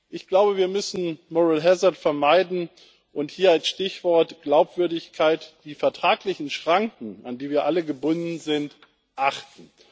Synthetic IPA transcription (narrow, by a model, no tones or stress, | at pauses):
ʔɪçɡ̥laʊbəviːɐmʏsn̩mɔʁɪlɦɛzɐtfɛɐmaɪdn̩ | ʔʊnthiːɐalsʃtɪçv̥ɔɐtɡ̥laʊpv̥ʏɐdɪçkʰaɪtd̥iːfɛɐtʁ̥aːklɪçn̩ʃʁ̥aŋkŋ̩andiːviːɐʔaləɡəbʊndn̩zɪnt | ʔaχtn̩